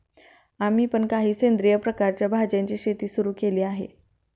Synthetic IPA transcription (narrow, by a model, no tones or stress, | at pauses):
am̤iːpəɳkaɦiːsend̪ɾijəpɾəkaɾt͡ɕjabʱad͡ʑaɲt͡ɕiːɕet̪iːsuɾuːkeliːaɦḛ